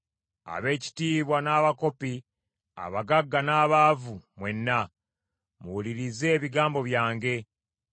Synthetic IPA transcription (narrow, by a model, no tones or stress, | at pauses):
a̰βe̞ːci̥tiːβwanaːβako̞pi | a̰βaɡaɡːanaːβavumwe̞nːa | muwuliɾize̞ːβiɡaːmbo̞βjaːŋɡe̞